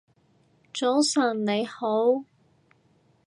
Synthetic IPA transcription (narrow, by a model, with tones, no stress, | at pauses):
t͡ʃo˨˥wsɐː˨˩nne˨˧jho˨˥w